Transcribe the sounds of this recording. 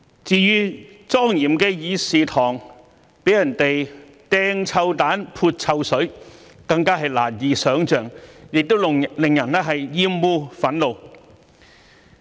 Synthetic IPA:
t͡siː˧jyː˥ | t͡sɔː˥ŋjiː˨˩mkɛː˧jiː˨˧siː˨t̪ʰɔː˨˩ŋ | pe˨˥jɐ˨˩nt̪e˨j | t̪ɛː˥ŋt͡sʰɐ˧wt̪aː˨˥npʰuː˧t̚t͡sʰɐ˧wsɵ˨˥ɥ | kɐ˧ŋkaː˥ɦɐ˨jla̰ː˨˩njiː˨˧sœː˨˥ŋt͡ʃœː˨ŋjɪ˨k̚t̪o˥wllɪ˨ŋjɐ˨˩nɛː˥ɦɐ˨jːiː˥mːuː˧fɐ˨˥nlo˨˧w

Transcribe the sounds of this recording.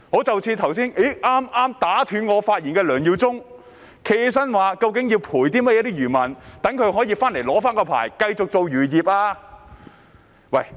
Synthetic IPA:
ŋɔː˨˥t͡sɐ˨wt͡sʰiː˧t̪ʰɐ˨˩wsiː˥ne˨˥ʔaː˥mʔaː˥mt̪aː˨˥t̪ʰyː˨˧nŋɔː˨˧faː˧t̚jiː˨˩nkɛː˧lœː˨˩ŋjiː˨˧wt͡sʊ˥ŋ | kʰe˨˩js̬ɐ˥nwaː˨˧kɐ˧wk̬ɪ˨˥ŋji˧wpʰuː˨˩jt̪iː˥mɐ˥ɛ˨˧˥t̪iː˥jyː˨˩mɐ˨˩nt̪ɐ˨˥ŋkʰɵ˨˧ɥhɦɔː˨˥jiː˧faː˥nle˨˩jlɔː˨˥faː˥nkɔː˧pʰa̰ː˨˩jkɐ˧jt͡sʊ˨k̚t͡so˨˧wjyː˨˩jiː˨p̚ʔaː˧ | wɐ˨˩j

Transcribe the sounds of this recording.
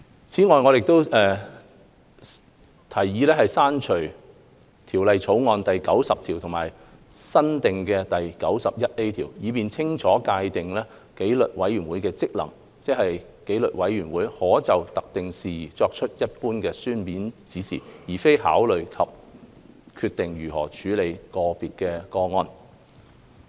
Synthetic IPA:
t͡sʰiː˨˥ŋɔː˨jŋɔː˨˧jɪ˨k̚t̪o˥wɛː˨ | t̪ʰɐ˨˩jːiː˨˧lɛː˥ɦɐ˨jsaː˥nt͡ʃʰɵ˨˩ɥ | t̪ʰiː˨˩wlɐ˨jt͡sʰo˨˥wŋɔː˧nt̪ɐ˨jkɐ˨˥wsɐ˨p̚t̪ʰiː˨˩wt̪ʰʊ˨˩maː˨˩j | sɐ˥nt̪ɪ˨ŋkɛː˧t̪ɐ˨˩jkɐ˨˥wsɐ˨p̚jɐ˥t̚e˥jt̪ʰiː˨˩wjiː˨˧piː˨nt͡sʰɪ˥ŋt͡sʰɔː˨˥kaː˧jt̪ɪ˨ŋlɛː˥ | ke˨˥jlɵ˨t̚wɐ˨˥jyː˨˩nwuː˨˥jkɛː˧t͡sɪ˥k̚lɐ̰˨˩ŋ | t͡sɛ˥k̚hɐ˨jke˨˥jlɵ˨t̚wɐ˨˥jːyː˨˩nwuː˨˥jhɔː˨˥t͡sɐ˨wt̪ɐ˨k̚t̪ɪ˨ŋsiː˨t͡sɔː˧k̚t͡ʃʰɵ˥t̚jɐ˥t̚puː˥nkɛː˧syː˥npiː˨˥nt͡siː˨˥sḭː˨˩jiː˨˩fe˥jha̰ː˨˥wlɵ˨ɥkʰɐ˨p̚ | kʰyː˧t̪ːɪ˨ŋjyː˨˩hɔ̰ː˨˩t͡ʃʰyː˨˥le˨˧jkɔː˧piː˨t̚kɛː˧kɔː˧ŋɔː˧n

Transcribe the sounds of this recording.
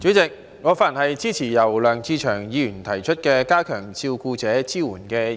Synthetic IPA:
t͡ʃyː˨˥t͡sɪ˨k̚ | ŋɔː˨˧faː˨˩˨nhɐ˨jt͡siː˥t͡sʰiː˨˩jɐ˨˩wlœː˨ŋt͡siː˧t͡ʃʰœː˨˩ŋjiː˨˧jyː˨˩nt̪ʰɐ˨˩jt͡ʃʰɵ˥t̚kɛː˧kaː˥kʰœː˨˩ŋt͡sʰiː˧wkuː˧t͡sɛː˨˥t͡siː˥wuː˨˩nkɛː˧

